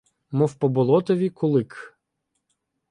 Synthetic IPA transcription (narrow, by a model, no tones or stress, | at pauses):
mɔwpɔbɔlˠɔt̪ɔʋʲikʰʊlˠɪk